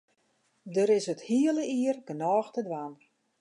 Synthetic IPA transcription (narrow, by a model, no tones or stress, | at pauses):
dəɾɪsəthiələiərɡənɔːxtədʋan